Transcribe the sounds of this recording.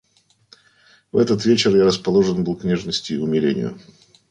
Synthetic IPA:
vɛt̪ət̪vʲet͡ɕɪrjaɾəspɐlˠo̞ʐənbɨlˠknʲeʐnəsʲtʲɪːʊmʲɪlʲenʲɪ̰jʊ̰

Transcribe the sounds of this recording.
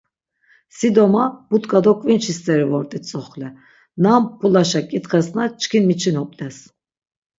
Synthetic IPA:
sid̪ɔmab̥ut̪ʼkʼad̪ɔkʼvint͡ʃʰist̪ʰʼɛɾivɔɾt̪ʼit̪t͡sʼɔχlɛ | nampʰulaʃakʼit̪χɛsnat͡ʃʰʼkʰinmit͡ʃʰinɔpʼlʼɛs

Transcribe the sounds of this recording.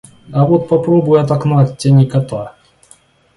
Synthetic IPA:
ɐvot̪̚pɐpɾobʊjɐt̪̬ɐknatʲtʲanʲikɐt̪a

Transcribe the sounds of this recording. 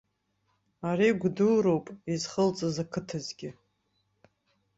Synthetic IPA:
aɾiɡʷdulɾo̞wpʼizχəlt͡sʼazakʰɨtʰɨzɡʲɪ

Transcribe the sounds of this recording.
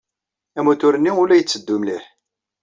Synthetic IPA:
æmuθʊɾənːiʊlæjət͡sːəd̪ːʊmliħ

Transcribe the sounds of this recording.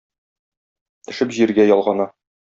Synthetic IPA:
t̪ɘ̆ʃɘpʑiɾɡæjɒlˠʁɑnɑ

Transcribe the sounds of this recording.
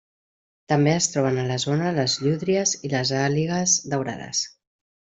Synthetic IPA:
t̪əmbeəst̪ɾɔβənələzonələzʎuðɾiəziləzaliɣəzd̪əwɾa̰ðə̰s

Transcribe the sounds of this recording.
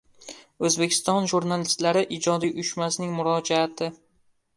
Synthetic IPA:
ɵzbe̞kʲʰɪ̥st̪ɒnʒuɾnalɪst̪laɾɪʔɪd͡ʒɒd̪iʔʊʃmasnɪŋmʊɾɒd͡ʒaːt̪ʰɪ

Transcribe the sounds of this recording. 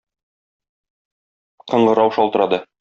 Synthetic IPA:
qɤ̆ɴɢɤ̆ɾɑwʃɒlˠt̪ɤ̆ɾɑd̪ɤ

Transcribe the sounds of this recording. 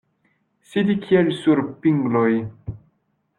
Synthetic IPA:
sid̪ikʰielsuɾpiŋɡloj

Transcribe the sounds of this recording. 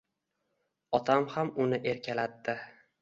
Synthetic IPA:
ɒt̪ʰamhamʊnɪʔe̞ɾkʲʰalat̪ːɪ

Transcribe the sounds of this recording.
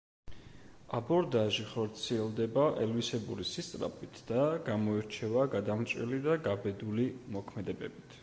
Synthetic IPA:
abɔɾd̪aʒiχɔɾt̪sʰiɛlˠd̪ɛbaʔɛlvisɛbuɾisist̪ʼɾa̰pʰʼit̪ʰd̪̥aɡ̥amɔiɾt͡ʃʰɛvaɡad̪amt̪t͡ʃʼwɛ̰lid̪aɡabɛd̪ulimɔkʰmɛd̪ɛbɛbit̪ʰ

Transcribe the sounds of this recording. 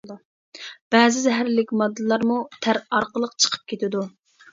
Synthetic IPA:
b̥ɛːzɪzɛɦæɾlɪkʲmɑd̪ːɨlˠɑɾmut̪ʰæɾɑɾqəlˠəqt͡ʃʰə̥qʰə̥p̚kʲʰet̪ʰɪd̪u

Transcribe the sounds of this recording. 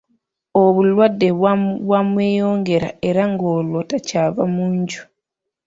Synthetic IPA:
oβulwadːe̞βwamwe̞ːjo̞ːŋɡe̞ɾa̰e̞ɾaŋɡoːlotacaːvamuːɲɟu̥

